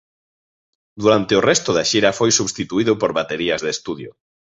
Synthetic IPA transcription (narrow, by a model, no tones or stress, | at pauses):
d̪uɾant̪eʊrɛst̪ʊðaʃiɾafojsuβst̪it̪uiðʊpoɾβat̪eɾiazðest̪uðjʊ